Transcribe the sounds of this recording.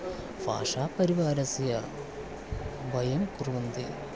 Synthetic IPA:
fa̰ːʂaːpɐɾiʋaːɾɐsijɐr | bɐjɐmkurʋɐnd̪i

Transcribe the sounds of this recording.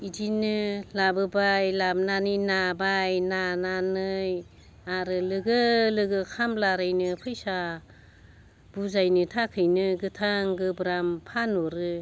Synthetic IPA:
idinɯlabɯbajlab̚naninabajnananɯj | aɾɯlɯɡɯlɯɡɯkʰamlaɾajnɯpʰɯjsa | b̥uzajnɯtʰakʰɯjnɯɡɯtʰaŋɡɯbɾampʰanuɾɯ

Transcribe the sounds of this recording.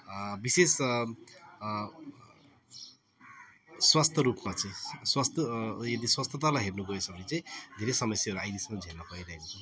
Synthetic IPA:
bises | swast̪ʰʌɾupmat͡sʌĩswast̪ʰʌjed̪iswast̪ʰʌt̪̬alaɦernuɡʱʌesʌbʌnit͡sʌj̃d̪ʱeɾesʌmʌsjaʌɾuajd̪ismad͡zʱennʌpʌiɾʌɦekot͡sʰʌ

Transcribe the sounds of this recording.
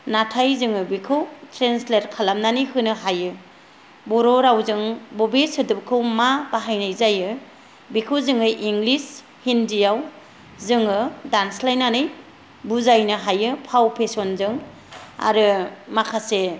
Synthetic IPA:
natʰajzɯŋɯbikʰɯwtʰɾensleɾkʰalamnanijhɯnɯɦajɯ | bɔɾɔɾawzɯŋbɔbesɯdɯbkʰɯwmabaɦajnajzajɯ | bikʰɯwzɯŋɯjʔiŋɡlis | hindijaw | zɯŋɯdanslajnanɯj | buzajnɯɦajɯpʰawpʰesɔnzɯŋ | a̰ɾɯmakʰase

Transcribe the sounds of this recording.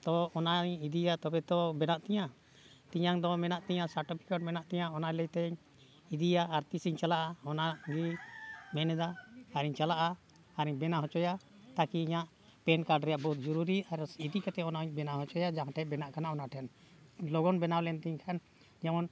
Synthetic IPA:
t̪ɔːnaɲid̪ijat̪ɔbɛt̪ɔbɛnaʔt̪ɛɲa | t̪iɲaŋd̪ɔmɛnaʔt̪ɛɲãsaɾʈipʰi̥kaʈ̚mɛnaʔt̪ɛɲaɔnajlɛjt̪ɛɲ | id̪ijaːɾt̪isiɲt͡ʃalaʔaɔnaʔɡimɛnɛd̪aaɾiɲt͡ʃalaʔaː | ɾiɲbɛnaɦɔt͡ʃɔja | t̪akiːɲaʔ | pɛnkaɾɖɾɛjaʔbɔut̪̚d͡ʒɔɾuɾiaɾid̪ikat̪ɛɔnaɲbɛnaɦɔt͡ʃɔjad͡ʒaɦãʈʰɛbɛnaʔkanaʔɔnaʔʈʰɛn | lɔɡɔnbɛnawlɛnt̪iɲkʰan | d͡ʒamɔn

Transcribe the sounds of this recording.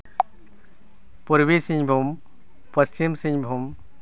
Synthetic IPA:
puɾbisiɲbʱum | pɐst͡ɕimsĩɲbʱum

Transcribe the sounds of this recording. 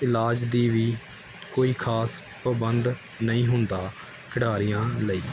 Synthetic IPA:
ɪlaːd͡ʒd̪iːʋiː | koːiːkʰaːs | pəbənd̪ | nəĩːɦʊnd̪aː | kʰəɽaːɾɪjãːləiː

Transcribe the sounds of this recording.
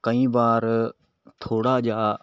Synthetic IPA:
kəĩːʋaːɾ | t̪ʰoːɽaːd͡ʒaː

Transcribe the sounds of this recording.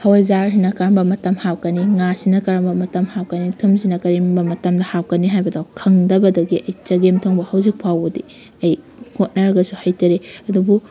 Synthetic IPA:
hɐwɐzaɾɦinɐkɐɾɐmbɐmɐtɐmhawkɐniŋasinɐkɐɾɐmbɐmɐtɐmhawkɐnitʰumsinɐkɐɾimbɐmɐtɐmdɐhawkɐniɦajbɐdawkʰɐŋdɐbɐdɐɡiʔɐjt͡ʃɐɡemtʰoŋbɐhɐwzik̚pʰawbɐdi | ɐj | ŋ̥ot̚nɐɾɐɡɐsuhɐjtɐɾeɐdubu

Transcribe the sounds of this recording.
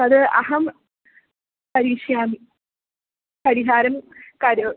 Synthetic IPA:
ɐðɨɐ̰ɦɐm | pɐɾiːʂjaːmi | pɐɾiɦaːɾɐmkɐɾɐ

